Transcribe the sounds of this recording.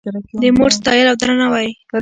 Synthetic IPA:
d̪əmoʈst̪ɑjəlawd̪ɾanawaj

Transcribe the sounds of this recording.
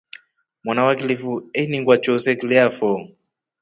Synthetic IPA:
mwanawakilifuɛniŋɡwat͡ʃɔsɛklɛafɔ

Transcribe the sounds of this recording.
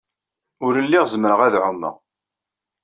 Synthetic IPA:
ʊɾəlːiʁzməɾəʁæðʕʊmːə̰

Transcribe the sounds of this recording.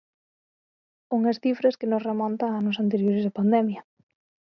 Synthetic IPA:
uŋɐsθifɾɐskɪnosremɔnt̪aanʊsant̪eɾjoɾezðɪpand̪ɛmjɐ

